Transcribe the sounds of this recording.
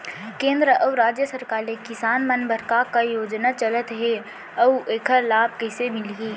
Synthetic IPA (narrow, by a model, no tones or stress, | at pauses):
kẽːnd̪ɾəʔəʋɾaːd͡ʒjəsəɾkaːɾlekɪsaːnmənbʱəɾkakajoːd͡ʒnat͡ʃələt̪ɦɛ | əueːkəɾlaːb̚kɛːsemɪlɡiː